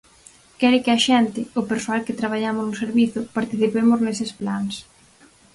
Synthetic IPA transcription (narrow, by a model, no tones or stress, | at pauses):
kɛɾɪkɪɐʃɛnt̪ɪʊpeɾsoalkɪt̪ɾaβ̞aʎamʊznʊseɾβiθʊpaɾt̪iθipemʊznesɪsplans